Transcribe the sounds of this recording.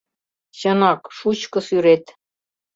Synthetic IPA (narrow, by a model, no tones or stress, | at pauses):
ɕɤ̆nɑkʃut͡ɕkɤ̆syɾet̪